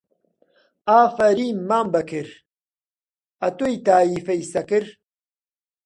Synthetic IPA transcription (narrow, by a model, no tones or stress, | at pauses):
aːfɐɾiːmːaːmbɐkʰɨɾ | ɐt̪ojt̪aːiːfɐjsɐkɨɾ